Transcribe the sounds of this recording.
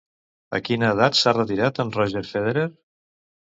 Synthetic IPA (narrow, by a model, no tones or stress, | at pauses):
ə̰kinəːðat̪sarət̪iɾat̪ənrɔʒeɾfeðeɾeɾ